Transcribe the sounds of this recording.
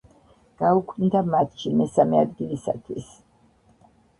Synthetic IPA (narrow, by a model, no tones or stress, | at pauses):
ɡ̥aukʰnd̪amat̪ʰʃimɛsamɛad̪ɡilisat̪ʰwis